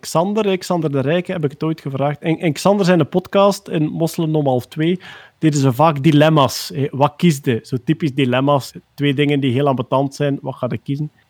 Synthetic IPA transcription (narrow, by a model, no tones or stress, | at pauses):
ksɑndərɛksɑndərdəɾɛjkəɦɛbɪkə̥toːjtxəvraːxtɛnʔɪnksɑnd̪ərzɛjnəpɔtkɑːstɪnmɔsləmnɔmɑlˠftweːd̥edəzəvaːɡdilɛmasɛʋɑkizdəz̥oːtipisdilɛmastʋeːdɪŋəndiɦeːlˠambətɑntsɛjnʋɑxaːdəkizən